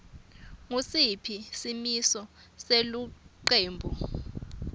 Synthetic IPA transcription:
ŋusipʰisimisɔ | seluǃeːmbʱu

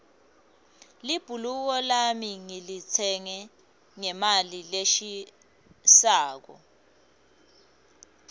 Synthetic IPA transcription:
lib̥ʱuluk̬ɔlamiŋilit͡sʰɛŋɛ | ŋɛmalileʃi | saːk̬ɔ̰

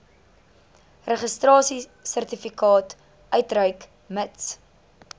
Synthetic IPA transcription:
rəχəstrɑːsisərtifikɑːt | œɥtrœɥk | məts

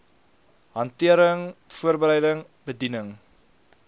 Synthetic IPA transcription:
ɦɐntiəɾəŋfuərbəɾɛjdəŋ | bədinəŋ

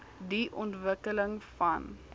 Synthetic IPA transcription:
diʔɔntvəkələŋfɐn

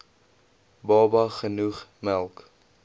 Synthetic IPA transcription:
bɑːbɐχənuχmælˠk

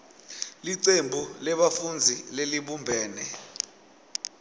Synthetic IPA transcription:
liǀembʱulɛɓafund͡zʱileliɓumbʱɛːnɛ

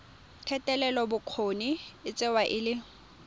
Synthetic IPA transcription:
tʰɛtʼɛlɛlɔbʊkʰoniɪt͡sʼɪwaʔɪlɪ

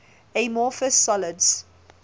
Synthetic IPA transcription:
emɔːfəsːɔlədz̥

